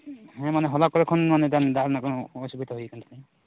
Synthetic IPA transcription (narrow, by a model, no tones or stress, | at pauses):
ɦɛ̃maneɦɔlakɔɾɛkʰɔnmaned̪and̪aɾnakɔɔsubid̪aɦujkaɳʈʰat̪aj